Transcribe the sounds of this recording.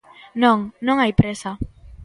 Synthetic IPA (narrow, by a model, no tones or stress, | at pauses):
nõŋnõŋajpɾesa